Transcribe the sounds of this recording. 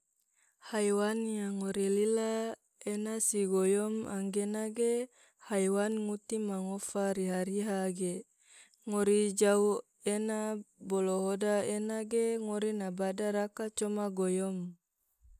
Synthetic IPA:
hajwanjaŋoɾilila | enasiɡojɔma̰ŋɡenaɡe | hajwanŋut̪imaŋofaɾiɦaɾiɦaɡe | ŋoɾid͡ʒau | enabɔloɦodaenaɡeŋoɾinabadaɾakat͡ʃɔmaɡojɔm

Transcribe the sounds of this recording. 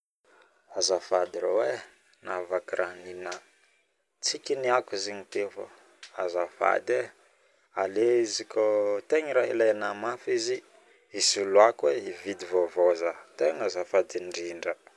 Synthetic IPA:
azafad̪iɾowe | navakiɾʔaninə | t͡sikʲiniakiziɲit̪efə̰ | azafa̰d̪e | aleizikot̪eɲiɾailajnamafizi | isuluakweivid̪ivovozat̪eŋazafad̪iɳɖ͡ʐiɳɖ͡ʐə

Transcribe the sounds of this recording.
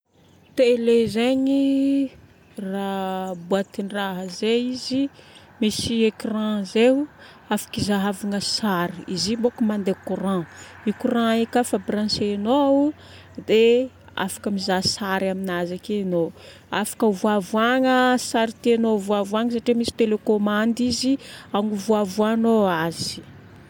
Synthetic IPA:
t̪elezeɲi | rabuat̪inraɦəzeizi | misiekrãze | afḁkizaɦavaŋəsaɾiizimbokəmand̪ekurãikurãekafabɾãsenou | d̪e | a̰fḁkəmizasaɾaminazakeno | afḁkəuvuavuaŋəsaɾit̪ienovuavuaŋəsaʈ͡ʂemisi̥t̪elekomãnd̪iziaŋuvuavuanoaz̥i̥

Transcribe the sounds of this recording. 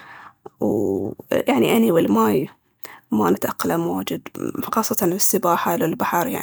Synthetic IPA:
w | jaʕniʔaniwɪlmaːj | manɪt̪ʔaqːalamoːd͡ʒɪd̪xɑːsˤːɑt̪ɑɪsːɪbaːħalɪlbaħɑɾˤja̰ʕn

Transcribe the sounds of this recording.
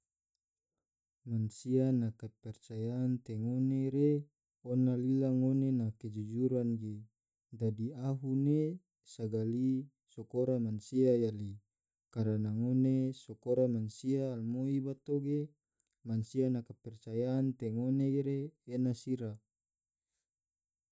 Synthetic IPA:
mansianakapɛrt͡ʃajaːnt̪eŋoneɾe | onalilaŋonenaked͡ʒud͡ʒuɾanɡe | dadiaɦune | saɡali | sokoɾamansiajali | kaɾanaŋonesokoɾamansiaːlmoibat̪oɡe | mansianakapɛrt͡ʃajaːnt̪eŋoneeɾeːnasiɾa

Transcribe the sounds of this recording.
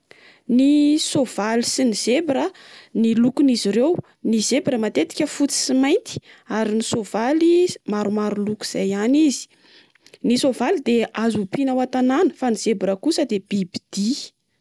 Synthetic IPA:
nisov̥alisiniz̥ebiɾənilukuniziɾew | nizebiɾəmat̪et̪i̥kʲəfut͡si̥simajnt̪i̥aɾinisovalimaɾumaɾulukuiz̥ajanizi̥ | nisovalid̪eazupinawat̪ananəfaniz̥ebiɾəkusəd̪eb̥ibid̪̥i

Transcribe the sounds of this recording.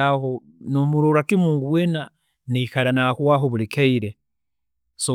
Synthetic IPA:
aho | nomuɾoɾakimuːŋɡuwena | nikalanakwwaɦoβulikeiɾe | so

